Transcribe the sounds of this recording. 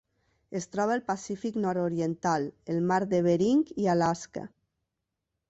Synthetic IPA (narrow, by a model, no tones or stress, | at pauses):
est̪ɾɔβ̞aelpasifiknɔɾoɾjent̪alelmaɾðeβ̞eɾiŋkialaska̰